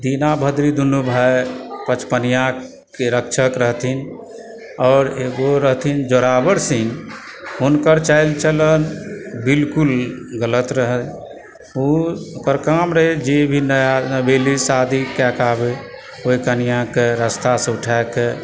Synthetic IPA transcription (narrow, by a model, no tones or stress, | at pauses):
d̪inabʱəd̪ɾid̪ʱunubʱajpət͡ʃpənijã | keɾəkt͡ʃʰəkɾəɦt̪ʰin | ɔːɾeɡoɾəɦt̪ʰind͡ʒoɾabəɾsin | unkəɾt͡ʃaɪlt͡ʃələnbilkulɡələt̪ɾəɦət̪ | ukəɾkamɾəɦed͡ʒebʱinəjanəbelisad̪ʱikɛkabe | oikənijãkeɾəst̪asə̃uʈʰake